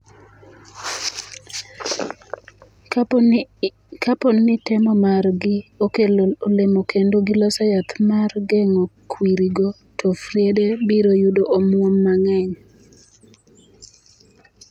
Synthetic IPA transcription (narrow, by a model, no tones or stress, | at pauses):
kaponːɪtɛmɔmarɡɪokelolemokendoɡɪlɔsajat̪marɡɛŋokwiɾiɡɔ | tʰofrjedebiɾojudoʔomwomːaŋɛŋ